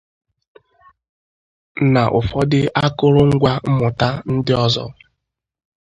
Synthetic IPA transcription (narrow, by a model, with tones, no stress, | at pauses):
na˨ʔʊ˨fɔ˦dɪ˦ʔa˦kʊ˦ɾʊ˦ŋ̩˦ɡʷa˦m̩˦mʊ˨ta˦n̩˦dɪ˦ɔ˦zɔ̰˦